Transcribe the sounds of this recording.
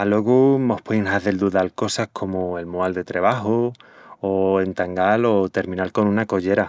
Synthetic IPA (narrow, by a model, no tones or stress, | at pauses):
alwoɣumohpwinɦaðeld̪uðalko̞sahkʰo̞moe̞lmoald̪e̞t̪ɾeβ̞aɦooent̪aŋɡalo̞t̪e̞ɾmĩnalko̞nũnako̞ʝe̞ɾa